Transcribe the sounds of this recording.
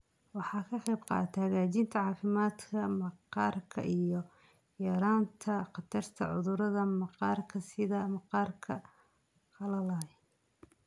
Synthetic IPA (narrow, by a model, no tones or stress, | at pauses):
wɑħɑːkʰɐqɑjbqɑ̰ːt̪ʰhɐɣaːt͡ʃiːnt̪ʰɐʕɑːfɪmaːd̪kʰɐmɑqɑːrkʰɐ̰ʔijɞ | jɛɾaːnt̪ʰɐqɑt̪ʰɐrt̪ʰɐʕʊðʊɾɐðɐmɑqɑːrkʰɐsɪðɐmɑqɑːrkʰɐ | qʰɐlɐlɐ